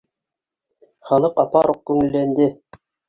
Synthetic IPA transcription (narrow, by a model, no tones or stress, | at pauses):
χɑlˠɤqɑpɑɾoq̚kʉŋɘ̆lːænd̪ɘ